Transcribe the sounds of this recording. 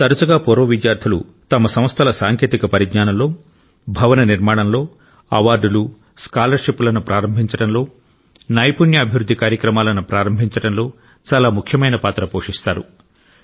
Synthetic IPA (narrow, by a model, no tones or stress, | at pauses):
t̪ɐɾɐt͡ʃɐɡaːpoːɾoːʋidjaːɾt̪ʰɐlṵ | t̪ɐmɐsɐm̃ɐst̪ʰɐlɐsaːŋke̞ːt̪ikɐpɐɾiɡɲaːnɐmlo̞ː | bʱɐʋɐnɐniɾmaːɽɐmlo̞ː | ɐ̰ʋaːɾɖulu | skaːlɐɾʂepːulɐnupɾʔaːɾɐmbʱiɲt͡ʃɐɽɐnlo̞ː | nɐjpunjɐːbʱiʋɾud̪ʱːikaːɾjɐkɾɐmaːlɐnupɾaːɾɐmbʱiɲt͡ʃɐɽɐnlo̞ː | t͡ʃaːlaːmukʰjɐmɐjnɐpaːt̪ɾɐpoːʂist̪aːɾu